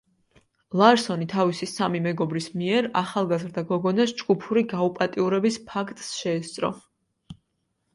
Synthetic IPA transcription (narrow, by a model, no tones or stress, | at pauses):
lˠaɾsɔnit̪ʰavisisamimɛɡɔbɾismiɛɾaχalˠɡazɾd̪aɡɔɡɔnasd͡ʒɡupʰuɾiɡaupʼat̪ʼiuɾɛbispʰakʰt̪ʼsʃɛːst̪sʼɾɔ̰